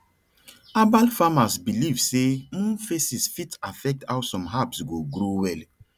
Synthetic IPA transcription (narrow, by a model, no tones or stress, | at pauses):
abalfamasbilivsẽfesisfitafɛk̚tawsɔ̃mɦapsɡoɡɾowɛl